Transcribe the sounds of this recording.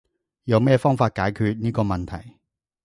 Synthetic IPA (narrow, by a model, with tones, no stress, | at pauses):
jɐ˨˧wmɛː˥fɔː˥ŋfaː˧t̚kaː˨˥jkʰyː˧t̚niː˥kɔː˧mɐ˨nt̪ʰɐ̰˨˩j